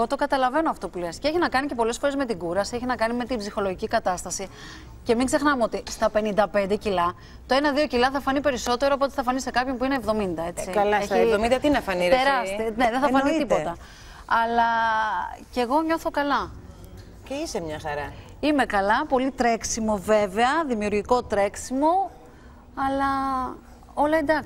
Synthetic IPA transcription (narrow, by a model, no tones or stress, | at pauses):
ɣo̞t̪o̞kɐt̪ɐlɐve̞noɐft̪o̞pulescee̞çinɐkɐnice̞po̞le̞sfo̞ɾe̞zme̞t̪iɡuɾɐsieçinɐkɐnime̞t̪ibzixo̞lo̞ʝicikɐt̪ɐst̪ɐsi | ce̞miŋɡze̞xnɐmeo̞t̪ist̪ɐpe̞nind̪ɐpe̞nd̪e̞cilɐ | t̪o̞e̞nɐðio̞cilɐθɐfɐnipe̞ɾiso̞t̪e̞ɾoːp̬o̞t̪eθɐfɐnisekɐpço̞npuineːvðo̞mind̪ɐe̞t͡sikɐlɐesivðomĩnd̪ɐt̪inɐfɐnieɾɐst̪ine̞ðenθɐfɐnet̪ipo̞t̪ɐ | ɐlɐ | ce̞ɣo̞ɲo̞θo̞kɐlɐ | ceisemɲɐxɐɾɐ | ime̞kɐlɐpo̞lit̪ɾe̞ksimo̞ve̞ve̞ɐðimiuɾʝiko̞t̪ɾe̞ksimo̞ | ɐlɐ | o̞lɐend̪ɐks